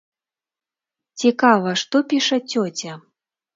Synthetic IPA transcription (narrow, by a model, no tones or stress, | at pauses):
t͡sʲikavɐʂt̪ɔpʲiʂɐt͡sʲɔt͡sʲɐ